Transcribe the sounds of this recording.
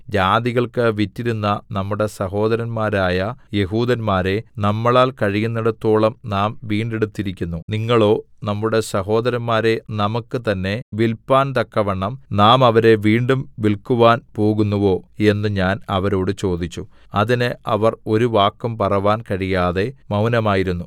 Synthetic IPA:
d͡ʑaːd̪iɣɐɭkɨʋitːiɾunːɐnɐmːuɽe̞sɐɦo̞ːd̪ɐɾɐnmaːɾaːjɐje̞ɦuːd̪ɐnmaːɾe̞nɐmːɐɭaːlkɐɻijunːɐɽɐt̪ːo̞ːɭɐmnaːmʋiːɳɖeɽut̪ːiɾikʲːunːuniŋːɐɭo̞ː | nɐmːuɽe̞sɐɦo̞ːd̪ɐɾɐnmaːɾe̞nɐmɐkːɨt̪ɐnːe̞ʋilpːaːnt̪ɐkːɐʋɐɳːɐmnaːmɐʋɐɾe̞ʋiːɳɖumʋilkuʋaːnpo̞ːɣunːuʋo̞ːe̞nːɨɲaːnɐʋɐɾo̞ːɽɨt͡ɕo̞ːd̪it͡ɕːu | ɐðinɨʔɐʋɐro̞ɾuʋaːkːɐmpɐrɐʋaːnkɐɻijaːðe̞mɐwnɐmaːjiɾunːu

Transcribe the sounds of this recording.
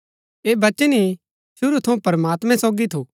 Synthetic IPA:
eːbɐt͡ʃəni | ʃʊɾut̪ʰɐũpɐɾəmaːt̪mɛ̃soːɡit̪ʰoː

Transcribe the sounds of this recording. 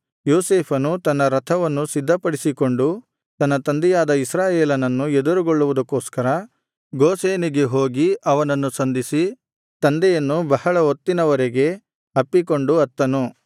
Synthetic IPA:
joːseːpʰɐnut̪ɐnːɐɾɐt̪ʰɐʋɐnːusid̪ʱːɐpɐɽisiko̞ɳɖu | t̪ɐnːɐt̪ɐnd̪ɛjaːd̪ɐisɾaːjeːlɐnɐnːued̪uɾuɡoɭːuʋud̪ɐkːoːskɐɾɐ | ɡoːseːniɡe̞ɦoːɡiɐʋɐnɐnːusɐnd̪ʱisi | t̪ɐnd̪ɛjɐnːubɐhɐɭɐot̪ːinɐʋɐɾeɡe̞ | ɐpːikoɳɖuɐt̪ːɐnu

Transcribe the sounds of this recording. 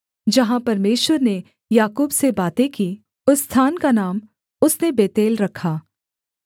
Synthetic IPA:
d͡ʒɐɦãpɐɾmeːʃwəɾne | jaːkuːbsebaːt̪ẽki | ʊst̪ʰaːnkanaːm | ʊsnebeːt̪eːlɾɐkʰaː

